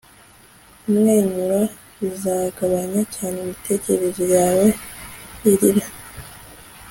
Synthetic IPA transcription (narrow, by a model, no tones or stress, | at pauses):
imŋeːɲuɾa | izaːɡaβaɲacaːnemitʰe̞ce̞ɾezojaːwe̞ | iɾina